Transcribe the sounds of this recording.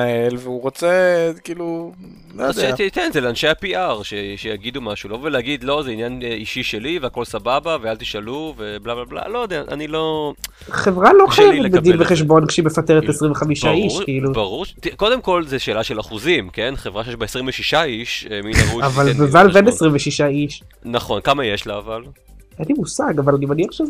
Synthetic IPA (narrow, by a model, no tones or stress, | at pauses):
aelveuʁot͡sekiːlu | lojdet̪ikenzeleanʃejapiaʁʃeʃejaɡid̪umaʃuloveleaɡid̪lo̞zeinjaniʃiʃeliveako̞lsababavealt̪i̥ʃaluveblablabla̰lojod̪eaʔa̰nilo̞ | χevʁalo̞χajevet̪̚bed̪ilveχeʃ̬bo̞nkʃeimefat̪eʁet̪esʁĩmveχamiʃaiʃkiilubaʁuʁt̪iko̞d̪emko̞lzeʃeːlaʃelaχuzimkenχevʁaʃejeʃbaesʁimveʃiʃaiʃeminavuavalbevalbenesʁimveʃiʃaiʃ | naχo̞nkamajeʃlaːval | enlimusaɡavalanimaniaχʃe